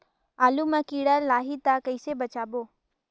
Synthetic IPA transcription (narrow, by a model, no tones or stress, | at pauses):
aːlumãkiːɽəlaːɦit̪akəɪsebət͡ʃaːboː